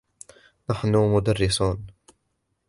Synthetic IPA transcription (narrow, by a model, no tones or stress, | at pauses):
naħnʊmʊd̪arːɪsuːn